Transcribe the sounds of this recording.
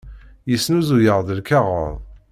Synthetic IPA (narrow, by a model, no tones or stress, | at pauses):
jəsnuzujəʁðəlkɑʁə̰ðˤ